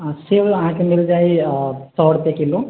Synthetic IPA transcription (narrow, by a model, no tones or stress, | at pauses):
siʋãːkemild͡ʒaːjit̪ɔʋɽp̪ekilu